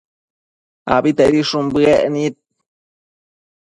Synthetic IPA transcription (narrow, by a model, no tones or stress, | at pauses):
a̰bit̪eʔɾiʂumbɨeʔnit̪̚